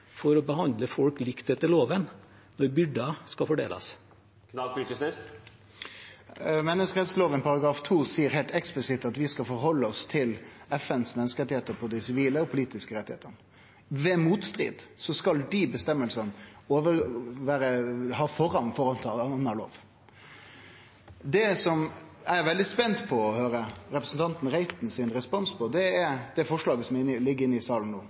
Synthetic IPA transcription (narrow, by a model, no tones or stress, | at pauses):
fɔɾɔbəhɑnd̪ləfɔlklɪkt̪ɛt̪ːəloːʋən | nɔɾbʏɖɑskɑfɔɖḛːlʔɑ̰s | kʰnʏk̪əsnɪs | mɛnːəskəɾɛt̪sloːʋənpɑɾɑɡɾɑːft̪ʰuːsiːəɾɦɛɪlt̪ɛksplɪsɪt̪ːɑt̪ʋɪskɑfɔɾhɔlːəɔst̪ʰɪlɛfɛnsmɛnːəskəɾɛt̪ːɪheːt̪əɾpʰɔd̪ɛsɪʋiːləɔpʰʊliːt̪ɪskəɾɛt̪ɪhḛːt̪ən | ʋɛmuːt̪st̪ɾḭːd̪sɔskɑld̪ibəst̪ɛmːəlsənoːʋəɾʋæːɾəhɑːfɔɾɑnfɔɾɑnt̪ʰːɑnːəlo̰ːʋ | d̪ɛsɔmæʋɛld̪ɪspɛnt̪pʰɔɔhøːɾəɾɛpɾəsn̩t̪ɑnt̪n̩ɾæɪt̪n̩sɪnɾɛspɔnspʰɔd̪ɛæd̪ɛfɔʂɭɑːɡəsɔmɪlɪɡːəɾɪnːɪɪsɑːln̩noː